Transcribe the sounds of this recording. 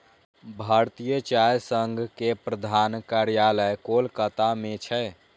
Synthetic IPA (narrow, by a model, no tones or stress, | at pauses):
bʱaɾt̪ijət͡ʃajsəŋɡʱkepɾəd̪ʱankaɾjaləjkolkət̪amet͡ʃʰɛ